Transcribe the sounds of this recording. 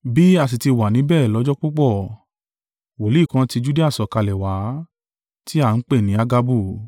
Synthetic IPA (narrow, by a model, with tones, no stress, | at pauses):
bi˦a˨s̬i˨ti˧wa˨nĩ˨˦bɛː˦˨lɔ˨˦d͡ʒɔ˦k͡po˦k͡pɔ˦˨ | wo˨li˨˦˨kã˧ti˧d͡ʒu˦de˦a˦˨sɔ˨ka˧lɛ˨wa˨˦ | ti˦a˦˨n̩˦k͡pe˦˨nĩ˨˦a˧ɡa˧bu˦˨